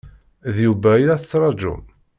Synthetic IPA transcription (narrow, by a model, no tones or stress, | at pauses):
ðjuvæilæθət͡sːɾˤɑd͡ʒʊ̰n